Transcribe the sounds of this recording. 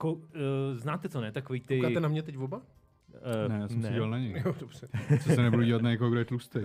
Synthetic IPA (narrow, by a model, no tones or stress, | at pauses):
jakoznaːt̪ɛt͡sonɛt̪akoviːt̪ɪkat̪ɛnamɲɛt̪ɛcvoba | nɛjaːsɛmnsɛɟiːvalnaɲɛjodobr̥ɛsɛsɛnɛbuduɟiːvat̪naɲɛkoɦoɡɾojɛt̪lust̪ɛ